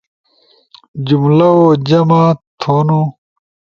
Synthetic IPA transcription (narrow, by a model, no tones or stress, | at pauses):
d͡ʑumlɐod͡ʑɐmat̪ʰoːnu